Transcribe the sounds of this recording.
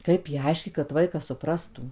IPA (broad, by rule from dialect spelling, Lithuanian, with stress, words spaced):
ˈkɐɪp jɛɪ ˈɐɪʃʲkʲiːt kɐt ˈʋɐɪkɐs sʊˈprɑːstuː